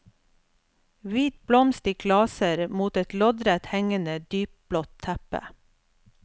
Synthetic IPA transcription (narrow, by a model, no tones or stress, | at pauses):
ʋiːt̪̚blɔmst̪ɪkʰlɑːsəɾmuːt̪ɛt̪lɔd̪ɾɛt̪hɛŋənəd̪yːp̚b̥lɔt̪ʰːæpə̰